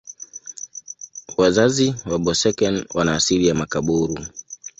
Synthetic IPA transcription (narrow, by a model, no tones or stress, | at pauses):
wazaziwaɓɔsɛkɛnwanaːsilijamakaɓuɾu